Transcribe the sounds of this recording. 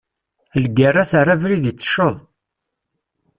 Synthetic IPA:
əlɡərˤːaθarˤːavɾiðit͡sːə̥ʃoðˤ

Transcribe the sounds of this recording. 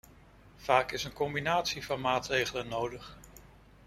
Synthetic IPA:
v̥aːkɪsənkɔmbinaːtsivɑnmaːtrejχələnːowdəχ

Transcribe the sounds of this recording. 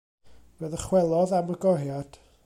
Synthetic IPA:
vəðəχwɛlˠɔðaməɡɔrjad̥

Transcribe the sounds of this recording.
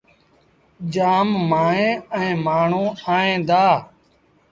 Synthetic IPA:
d͡ʒaːmːaːẽːɛ̃ːmaːɳ̤ũːaːẽːd̪aː

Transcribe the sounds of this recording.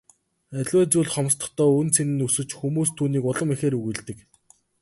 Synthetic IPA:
æɮʲwæːt͡suːɮχɔm̆st̪ə̥̆χt̪ʰœːɵnt͡sʰenɘ̆nɵsɵ̆t͡ɕxumuːst̪ʰuːniːkʊɮə̆mixeːɾɵɣŭɮt̪ɘ̆k

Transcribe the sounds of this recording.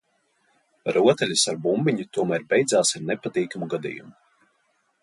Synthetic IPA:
ɾuɔt̪ɛlʲisaɾbumbiɲut̪uɔmæɾbʲɛjd̪zaːsaɾnɛpat̪iːkamuɡad̪ḭːjṵmu

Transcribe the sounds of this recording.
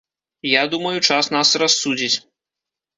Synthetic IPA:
jad̪umɐjut͡ʂasnasrasːud͡zʲit͡sʲ

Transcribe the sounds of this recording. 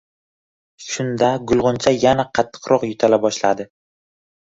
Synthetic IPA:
ʃʊnd̪aɡʊlˠʁʊnt͡ʃʰajanaqʰɑt̪ʰːɨ̥qɾɒqjʊt̪ʰalabɒʃlad̪ɪ

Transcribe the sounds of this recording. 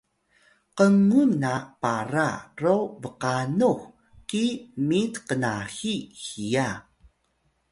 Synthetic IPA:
qəŋunapaɾarovəqanux | kimitqənaxixia

